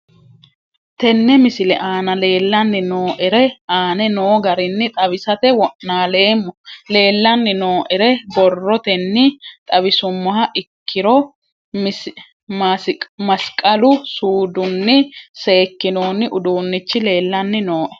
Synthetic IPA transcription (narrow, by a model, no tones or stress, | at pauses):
t̪ɛnːɛmɪsɪlɛʔaːnɐle̞ːlːɐnːɪnoːʔɛɾɛaːnɛnoːɡɐɾɪnːɪt̪ʼɐbɪsɐt̪ɛwɔʔːaːle̞ːmːɔle̞ːlːɐnːɪnoːʔɛɾɛbɔrːɔt̪ɛnːɪt̪ʼɐbɪsʊmːɔɦɐʔɪkʰːɪɾɔ | m | mɐskʼɐlʊsuːd̪ʊnːɪse̞ːkːɪnoːnːɪʔʊd̪uːnːɪt͡ʃːɪle̞ːlːɐnːɪnoːʔɛ̥